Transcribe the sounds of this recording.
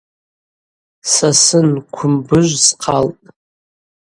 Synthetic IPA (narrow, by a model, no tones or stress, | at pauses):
sasɨnkʷʰʊmbɨʒʷzqʰaltʼ